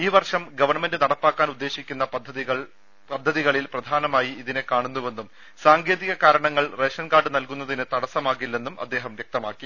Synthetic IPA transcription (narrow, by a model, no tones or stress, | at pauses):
iːʋɐrʂɐmɡɐʋɐrɳɐme̞ndɨnɐɽɐpːaːkːaːnud̪ːe̞ːɕikʲːunːɐpɐd̪ʱːɐiɣɐɭ | pɐd̪ʱːɐðiɣɐɭilprɐd̪ʱaːnɐmaːjiiðinekaːɳunːuʋe̞nːum | saːŋɡe̞ːðiɣɐkaːɾɐɳɐŋːɐɭreːʂɐnkaːɖɨnɐlkunːɐðinɨt̪ɐɽɐsɐmaːɣilːe̞nːumɐ̰d̪ːe̞ːɦɐmʋjek̚t̪ɐmaːkːi